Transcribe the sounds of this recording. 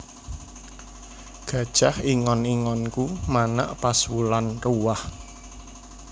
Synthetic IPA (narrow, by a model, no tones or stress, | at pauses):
ɡ̥ä̤d̥ʒ̥a̤hiŋɔniŋɔnkumana̰ʔpaswulanruwah